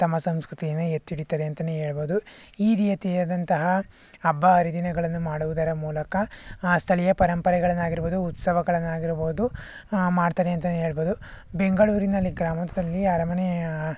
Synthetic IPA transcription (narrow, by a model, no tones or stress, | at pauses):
t̪ɐmːɐsɐmskɾut̪ijɐnːuet̪ːiɽit̪ɐd̪eɐnt̪ɐneɦeːɭboːd̪uiːɾiːjɐt̪iːɾɐd̪ɐnt̪ɐɦɐː | bːɐːɾid̪inɐɡɐɭɐnːumaːɽuʋud̪ɐɾɐmuːlɐkɐst̪ʰɐɭijɐpɐɾɐmpɐɾɛɡɐɭɐnːaːɡiɾboːd̪uːt̪sɐʋɐɡɐɭɐnːaːɡiɾboːd̪u | maːɽt̪aːdeɐnt̪ɐneːɭboːd̪u | be̞ŋɡɐɭuːɾinɐlːiɡɾaːmɐt̪ɐd̪ɐlːiaːɾɐmɐne